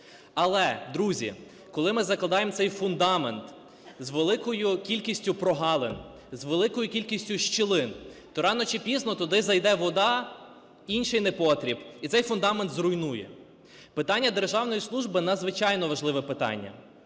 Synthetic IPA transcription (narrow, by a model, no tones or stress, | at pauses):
ɐlˠɛd̪ɾuzʲḭ | kɔlˠɪmɪzɐklˠɐd̪ɑjemt̪sɛjfʊnd̪ɑment̪ | zʋelˠɪkɔjʊkʲilʲkʲisʲtʲʊpɾɔɦɑlˠen | zʋelˠɪkɔjʊkʲilʲkʲisʲtʲʊʃt͡ʃɪlˠɪnt̪ɔɾɑnɔt͡ʃipʲiznɔt̪ɔd̪ɪzɐjd̪ɛʋɔd̪ɑ | inʃɪjnepɔt̪ɾʲibit̪sɛjfʊnd̪ɑment̪zɾʊjnujɛ̰ | pɪt̪ɑnʲːɐd̪erʒɑwnɔjislˠuʒbɪnɐd̪zʋɪt͡ʃɑjnɔʋɐʒlˠɪʋɛpɪt̪ɑ̰nʲːɐ̰